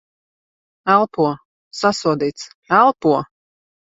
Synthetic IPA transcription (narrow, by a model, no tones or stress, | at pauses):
ælˠpuɔ | sasuɔd̪iːt̪s | ælˠpuɔ